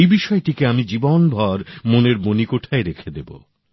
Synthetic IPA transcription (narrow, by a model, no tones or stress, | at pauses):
ejbiʃɔeʈikeamid͡ʑibonbʱɔɾmoneɾmonikoʈʰaeɾekʰed̪ebo̰